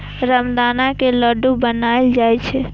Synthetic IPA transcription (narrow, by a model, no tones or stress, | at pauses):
ɾəmd̪anakeləɖubənaeld͡ʒajt͡ʃʰɛ